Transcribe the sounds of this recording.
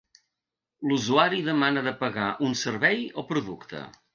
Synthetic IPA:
luzuaɾiðəmanəðəpəɣaʔunsəɾβɛjopɾuðukt̪ə̰

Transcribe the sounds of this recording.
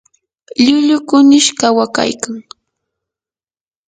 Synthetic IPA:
ʎʊʎʊkʊnɪʃkawaka̰jkaŋ

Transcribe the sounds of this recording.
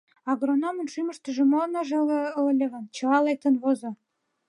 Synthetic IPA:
ɑɣronomənʃymə̆ʃt̪ə̆ʒĕmolnɑʒeəllʲeβɑnt͡ɕɤɑlek̚t̪ə̆nβozŏ

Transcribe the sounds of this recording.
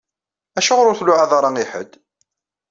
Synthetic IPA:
æʃaʁɾʊɾθlʊʕaðˤɑɾˤɑŋiħə̰d̪

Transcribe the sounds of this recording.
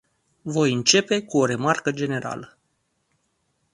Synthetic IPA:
vo̞jɨnt͡ʃe̞pe̞kuo̞ɾe̞markəd͡ʒe̞ne̞ɾa̰lə

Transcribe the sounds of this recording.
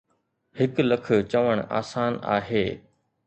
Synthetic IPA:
hɪkləkʰt͡ɕɐʋəɽ̃a̰ːsaːna̰ːɦeː

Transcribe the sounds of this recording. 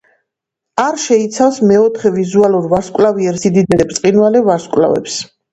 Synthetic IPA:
aɾʃɛit̪sʰafsmɛɔt̪ʰχɛvizualˠuɾvaɾskʼlaviɛɾsid̪id̪ɛɾɛp̪̚ʰsʼqʼinvalɛvaɾskʼla̰vɛ̰ps

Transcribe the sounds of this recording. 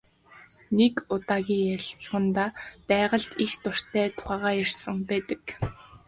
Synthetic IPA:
nekʊt̪aːɣʲiːŋjæɾʲɪ̆ɬt͡sɮə̆ʁə̆nt̪aːpæːʁə̆ɬt̪ixt̪ʊr̥t̪æːt̪ʰʊ̥χæːʁaːjær̥ʲsə̆ŋpæːt̪ə̆k

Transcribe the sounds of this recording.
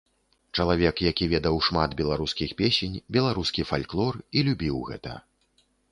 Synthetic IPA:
t͡ʂɐlˠavʲɛkjakʲivʲɛd̪ɐwʂmad̪bʲɛlˠaɾuskʲixpʲesʲenʲbʲɛlˠaɾuskʲifalʲklˠɔrilʲubʲiwɣɛ̰t̪ɐ̰

